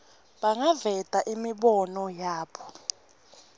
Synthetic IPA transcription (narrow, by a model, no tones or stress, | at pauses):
ɓaŋavɛtʼaʔimiɓɔnɔjaːɓɔ